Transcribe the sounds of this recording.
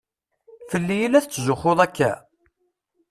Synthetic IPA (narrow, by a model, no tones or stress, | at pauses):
fəlːijilæθt͡sːzʊχoðˤækːæ̰